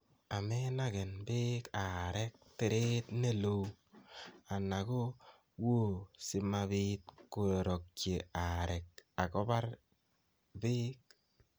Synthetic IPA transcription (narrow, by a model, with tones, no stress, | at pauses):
a˨me˦na˦ke˨nbɪ˦ka˨ɾɛ˦k̚tɪ˨ɾe˦tne˦lo˦ | a˨na˨ko˦ | wo˦sɪ˨ma˧bi˦t̚ko˨e˨ɾɔ˨k̚t͡ʃe˨a˨ɾɛ˨k̚a˨kɔ˦ba˦r | bɪː˦k̚